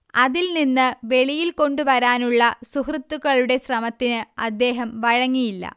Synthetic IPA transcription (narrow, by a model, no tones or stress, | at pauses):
ɐðilninːɨʋe̞ɭijilko̞ɳɖuʋɐɾaːnuɭːɐsuhrɨt̪ːuɣɐɭuɽe̞ɕrɐmɐt̪ːinɨɐd̪ːe̞ːɦɐmʋɐɻɐŋːijilːɐ̰